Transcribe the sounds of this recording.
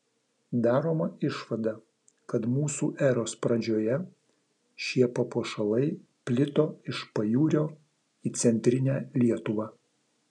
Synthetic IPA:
d̪ɑːɾoːmɐɪʃʋɐd̪ɐ | kɐt̪muːsuːʔæɾoːspɾɐd͡ʒʲoːjɛ | ʃʲiɛpɐpoːʃɐlˠɐɪ | pʲlʲɪt̪oːɪʃpɐjuːɾʲoː | iːt̪sʲɛnʲt̪ʲɾʲɪnʲæːlʲiɛt̪ʊʋɑː

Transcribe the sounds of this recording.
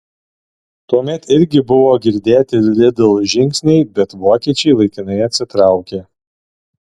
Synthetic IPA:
t̪uɔmʲɛt̪ɪɾʲɡʲɪbʊʋoːɡʲɪɾʲd̪ʲeːt̪ʲɪlʲɪd̪ɪlˠʒʲɪŋʲksʲnʲɛɪbʲɛt̪ʋoːkʲiɛt͡ʃʲɛɪlˠɐɪkʲɪnɐɪɐt̪ʲsʲɪt̪ɾɑˑʊkʲeː

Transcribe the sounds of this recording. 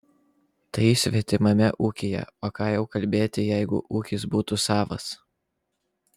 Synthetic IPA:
t̪ɐɪsʲʋʲɛt̪ʲɪmɐmʲɛʔuːkʲejɛ̰oːkɑːjɛʊkɐlʲbʲeːt̪ʲɪjɛɪɡʊ̰ʔuːkʲɪsbuːt̪ʊsɑːʋɐ̰s

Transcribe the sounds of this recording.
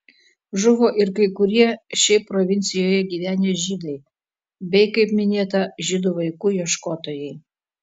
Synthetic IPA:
ʒʊʋoːʔɪɾkɐɪkʊɾʲiɛʃʲɛɪpɾoʋʲɪnʲt̪sʲɪjoːjɛɡʲiːʋʲæːnʲeːʒʲid̪ɐɪ | bʲɛɪkɐɪpmʲɪnʲeːt̪ɐʒʲɪd̪uːʋɐɪkuːjiɛʃkoːt̪oːjɛɪ

